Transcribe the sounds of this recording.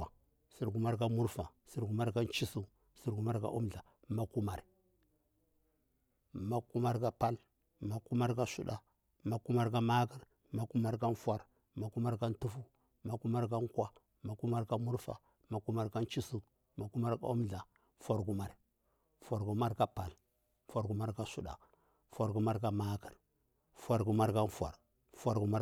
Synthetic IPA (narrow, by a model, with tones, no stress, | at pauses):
si˨ɾɡu˨ma˦ɾka˦mu˦ɾfa˨si˦ɾɡu˨ma˦ɾka˦nt͡ʃi˦su˦ | si˦ɾɡu˨ma˦ɾka̰˦ʔu˦mɮa˨ | ma˦ku˦ma˨ɾ | ma˦ku˦ma˦ɾka˦pa˦l | ma˦ku˦ma˦ɾka˦sṵ˨da̰˨ | ma˦ku˦ma˦ɾka˦ma˦ɡi˦ɾ | ma˨˦ku˦ma˦ɾka˦nfa˨ɾ | ma˨ku˦ma˦ɾka˦n˦tu˦fu˦ | ma˨ku˦ma˦ɾka˦ŋkwa˦ | ma˨ku˦ma˦ɾka˦mu˦ɾfa̰˨ | ma˨ku˦ma˦ɾka˦nt͡ʃi˦su˦ | ma˨ku˦ma˦ɾka̰˦u˦mɮa˨ | fa˨ɾɡu˦ma˨ɾ | fa˨ɾɡu˨˦ma˦ɾka˦pa˨l | fa˨ɾɡu˨ma˦ɾka˦su˦ɗa̰˨ | fa˨ɾɡu˦ma˦ɾka˦ma˦ki˨ɾ | fa˨ɾɡu˨ma˦ɾka˦nfʷa̰˨ɾ | fʷa˨ɾɡu˨ma˦